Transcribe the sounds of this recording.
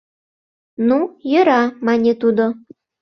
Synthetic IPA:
nujə̆ɾɑmɑnʲet̪ud̪o

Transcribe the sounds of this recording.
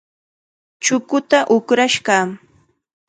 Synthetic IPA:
t͡ʃʊkʊt̪aʔʊkɾaʃɢa

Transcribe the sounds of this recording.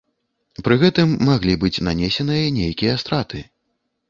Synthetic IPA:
pɾɨɣɛt̪ɨmːaɣlʲibɨt͡sʲnanʲesʲɛnɨjɐnʲejkʲijɐst̪ɾat̪ʰɨ

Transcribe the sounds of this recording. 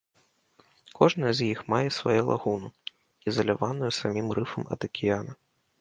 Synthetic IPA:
kʰɔʐnɐzʲjixmajɛsvajɛlˠa̰ɣunɐ | izɐlʲavanujusamʲimrɨfɐmɐ̰d̪ɐkʲʰijanɐ

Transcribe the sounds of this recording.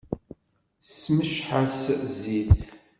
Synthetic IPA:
sməʃħasziθ

